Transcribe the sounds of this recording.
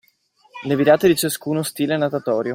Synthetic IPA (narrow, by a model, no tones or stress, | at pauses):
leviɾaːt̪ed̪it͡ʃaskuːnost̪iːlenat̪at̪ɔːɾjo